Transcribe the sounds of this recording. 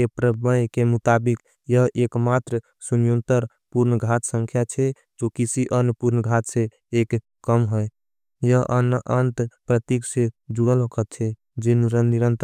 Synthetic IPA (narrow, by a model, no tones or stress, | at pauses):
epɾəbəjkemut̪abik | jəɦʔekmat̪ɾə | sunjunt̪əɾ | puɾnəɡʱat̪sə̃ŋkʰjat͡ʃʰɛ | d͡ʒokisiʔənupuɾnɡʱat̪se | ek | kəmɦəj | jəɦʔənʔənt̪pɾət̪iksed͡ʒuɽəlɦokət̪t͡ʃʰɛ | d͡ʒenuɾənːiɾənt̪